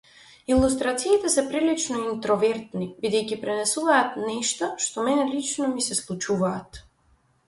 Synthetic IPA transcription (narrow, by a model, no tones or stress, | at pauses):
ilˠust̪ɾat̪siːt̪ɛsɛpɾilit͡ʃnɔint̪ɾɔvɛɾt̪nibid̪ɛjcipɾɛnɛsuvaːt̪nɛʃt̪ɔʃt̪ɔmɛnɛlit͡ʃnɔmisɛslˠut͡ʃuvaːt̪